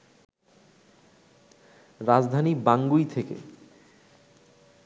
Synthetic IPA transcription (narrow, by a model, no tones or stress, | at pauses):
ɾad͡ʑd̪ʱanibaŋɡujt̪ʰekḛ